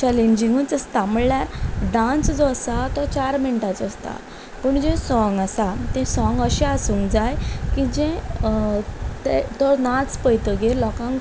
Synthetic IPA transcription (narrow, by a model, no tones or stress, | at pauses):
t͡ɕɛleɲd͡ʑiŋɡut͡səst̪aməɭljaɾɖãt͡sd͡zɔsat̪ɔt͡ɕaɾmiɳʈat͡sɔst̪a̰ | pəɳd͡ʑɛ̃sɔŋɡasat̪ɛ̃sɔ̃ŋɡəɕɛasũŋkd͡zajkid͡ʑɛ̃ | t̪et̪ɔɾnat͡spəjt̪əɡelɔkãŋ